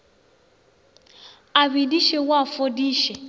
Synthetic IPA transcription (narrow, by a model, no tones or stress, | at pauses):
aβidiʃɛwafodiːʃɛ